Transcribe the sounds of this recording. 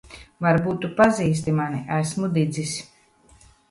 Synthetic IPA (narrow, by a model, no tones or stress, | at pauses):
vaɾbuːt̪ːupaziːs̬t̪imaniʔæsmud̪id̪zis